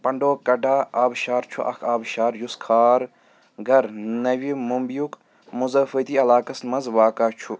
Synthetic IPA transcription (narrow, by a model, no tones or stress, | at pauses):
pɐɳɖoːkɐɖaːaːbʃaːɾt͡ʃʰuʔɐ̰kʰaːbʃaːɾjuskʰaːɾ | ɡɐɾnɐʋimumbjuk | muzɐːfət̪iɐlaːkɐsmɐzʋaːkaːt͡ʃʰu